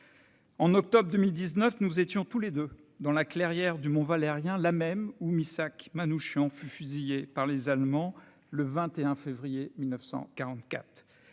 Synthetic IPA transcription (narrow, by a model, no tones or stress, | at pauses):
ɑ̃nɔk̚t̪ɔbʁd̪əmild̪iznœfnuzet̪jɔ̃t̪uled̪ø | d̪ɑ̃laklɛʁjɛʁd̪ymɔ̃valeʁjɛ̃lamɛmumisakmanuʃjɑ̃fyfyzijepaʁlezalmɑ̃ | ləvɛ̃t̪eɛ̃fevʁijemilnəfsɑ̰̃kaʁɑ̃t̪kʲa̰t̪χ